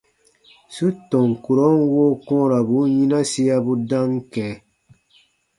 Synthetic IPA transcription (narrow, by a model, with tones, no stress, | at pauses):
su˦tɔ̃˨ŋ˨ku˨ɾo˦n˦woː˦kɔ̃ː˦ɾa˨bu˨˦ɲĩ˦na˦si˦ja˦bu˦dã˦ŋ˦kɛ̃ː˨